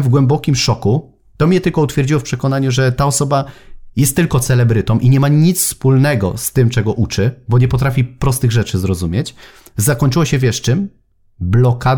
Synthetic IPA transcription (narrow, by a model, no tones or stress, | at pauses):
vɡwɛmbɔkʲimʂɔku | t̪ɔmɲɛt̪ɘlkɔut̪fʲjɛɾd͡ʑiwɔfpʂɛkɔnaɲuʐɛt̪aɔsɔbajɛst̪ːɘlkɔt̪sɛlɛbɾɘt̪ɔmʔiɲɛmaɲit̪sfspulnɛɡɔ̰st̪ɘmt͡ʂɛɡɔʔut͡ʂɘbɔɲɛpɔt̪ɾafʲipɾɔst̪ɘɣʐɛt͡ʂɘzɾɔzumʲjet͡ɕ | zakɔɲt͡ʂɘwɔɕɛvʲjɛʂt͡ʂɘm | blɔka